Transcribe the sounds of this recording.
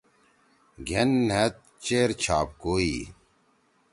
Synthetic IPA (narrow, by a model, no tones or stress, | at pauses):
ɡʱenːet̪̚t͡ɕeːɾt͡ɕʰaːp̚koːi